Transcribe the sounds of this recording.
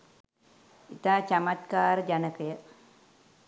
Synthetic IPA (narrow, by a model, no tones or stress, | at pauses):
it̪aːt͡ʃamat̪kaːɾəd͡ʒanəkəjə